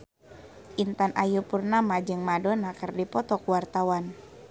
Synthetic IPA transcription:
ʔint̪anʔajupurnamad͡ʒɨŋmadonakɨrdipɔt̪ɔkuwart̪awan

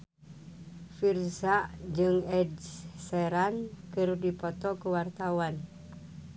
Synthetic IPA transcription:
firsaʔd͡ʒɨŋɛdsɛɾankɨrdipɔt̪ɔkuwart̪awan

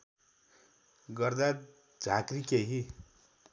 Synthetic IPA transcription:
ɡʌrd̪a | d͡zʱakrikeɦi

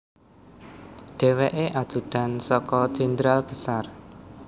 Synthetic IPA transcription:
ɖ̥e̤weʔeʔad̥d̪̥ṳd̥a̤nsɔkɔt͡ʃind̪ɾalb̥ə̤sar

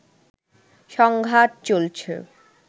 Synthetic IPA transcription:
ʃɔŋɡʱat̚t͡ɕolt͡ɕʰḛ

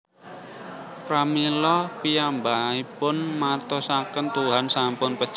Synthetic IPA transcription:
pɾamilɔpiambaipʊnmart̪ɔsakənt̪uɦansampʊnpəd̥ʒ̥

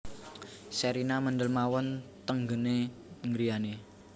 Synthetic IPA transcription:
sɛɾinaməndəlmawɔnt̪əŋɡəneŋɡɾijane

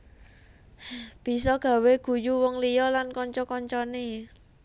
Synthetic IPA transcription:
b̥i̤sɔɡ̥ä̤weɡ̥ṳjuwɔŋlijɔlankɔɲt͡ʃɔkɔɲt͡ʃɔne

